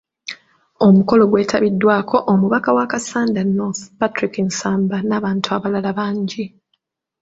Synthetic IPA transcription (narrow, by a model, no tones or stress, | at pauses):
o̞muko̞lo̞ɡwe̞ːtʰaβidːwaːkʰo̞ʔomuβakawakasaːndanoθpatɾikinsaːmbanaːβaːntuaβalalaβaːɲɟi